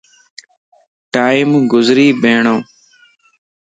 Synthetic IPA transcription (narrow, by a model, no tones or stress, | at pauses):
ʈaːimɡʊzɾiːbeːɳõː